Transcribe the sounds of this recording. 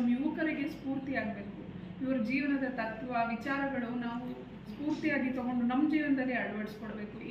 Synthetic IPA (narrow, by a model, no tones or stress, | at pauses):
mjuʋɐkɐɾiɡe̞spuːɾt̪iaːɡ̚beːku | iʋɐɾud͡ʒiːʋɐnɐd̪ɐt̪ɐt̪ːʋɐʋit͡ʃaːɾɐɡɐɭunaːʋu | spuːɾt̪ijaːɡit̪ɔɡo̞ɳɖunɐmːd͡ʒiːʋɐnɐd̪ɐlːiɐɽɐʋɐʈskoɽbe̞ːku